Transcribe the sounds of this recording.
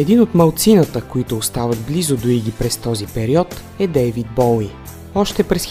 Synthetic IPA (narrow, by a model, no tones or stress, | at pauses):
ɛd̪inot̪mɐlˠt̪sinət̪əkoit̪ʊːst̪avəd̪blizod̪oiɡʲipɾɛst̪ɔzipɛɾiɔt̪ | ɛd̪ɛjvid̪̚bɔlˠi | ɔʃt̪ɛpɾɛs